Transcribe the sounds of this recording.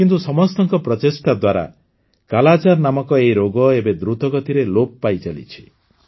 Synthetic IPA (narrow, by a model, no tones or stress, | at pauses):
kint̪usɔmɔst̪ɔŋkɔpɾɔt̪esʈad̪waɾa̰ | kalat͡ʃaɾnamɔkɔeiɾoɡɔebed̪ɾut̪ɔɡɔt̪iɾeloppajt͡ʃalḭt͡ʃʰi̥